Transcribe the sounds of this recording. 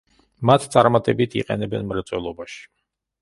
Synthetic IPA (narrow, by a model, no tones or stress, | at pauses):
mat̪ʰt̪sʼaɾmat̪ʼɛbit̪ʰḭqʼɛ̰nɛbɛ̰nmɾat̪sʼwɛlˠɔbaʃi̥